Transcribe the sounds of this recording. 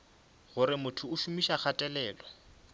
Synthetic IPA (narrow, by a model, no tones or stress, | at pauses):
ɣʊɾɪmʊtʰʊʊʃumiʃak͡xʰatʼɛlɛːlɔ